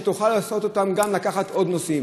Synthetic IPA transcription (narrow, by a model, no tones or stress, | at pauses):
t̪uχalaːso̞t̪o̞t̪amɡamlakaχat̪o̞d̪nosi